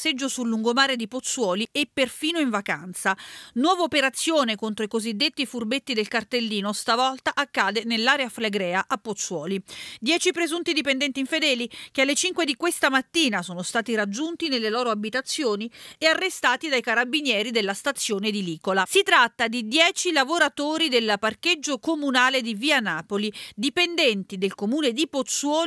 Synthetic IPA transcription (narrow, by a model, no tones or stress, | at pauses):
sed͡ʒːosulːuŋɡomaːɾed̪ipot̪sːwɔːliepːerfiːnoiɱvaka̰nt̪sanwɔːvaopeɾat̪sːjoːnekont̪ɾoikozid̪ːet̪ːifurbet̪ːid̪elkart̪elːiːnost̪avɔlt̪aʔakːaːd̪enelːaːɾeafleɡɾɛːaʔapːot̪sːwɔːlid̪jɛːt͡ʃipɾezunt̪id̪ipend̪ɛnt̪iɱfed̪ɛːlik̟ealːet͡ʃiŋkwed̪ikwest̪amat̪ːiːnasoːnost̪aːt̪iɾad͡ʒːunt̪inelːelɔːɾoabit̪at̪sːjoːniearːest̪aːt̪id̪ajkaɾabinjɛːɾid̪elːast̪at̪sːjoːned̪iliːkolasit̪ɾat̪ːad̪id̪jɛːt͡ʃilavoɾat̪oːɾid̪elparked͡ʒːokomunaːled̪iviːanaːpolid̪ipend̪ɛnt̪id̪elkomuːned̪ipot̪swɔː